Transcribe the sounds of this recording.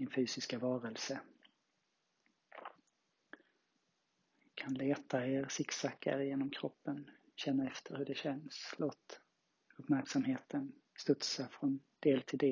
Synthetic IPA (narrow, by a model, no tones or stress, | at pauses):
ɪnfyːsɪskavɑːɾəlsə | kʰanleːt̪ʰaeːɾsɪksakːa̰ɾjeːnɔmkʰɾɔpːən | ɕɛnːaɛft̪ʰəɾhɵɖɛɕɛnsloːt̪ | ɵpːmæɾksamɦeːt̪ʰən | st̪ɵt̪safɾɔnd̪̥eːlt̪ʰɪld̪eː